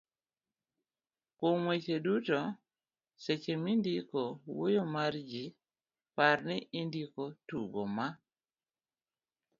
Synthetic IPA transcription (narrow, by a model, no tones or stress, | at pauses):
komwet͡ʃeduto | set͡ʃemindikowojomard͡ʒi | paɾnɪʔindikotuɡoma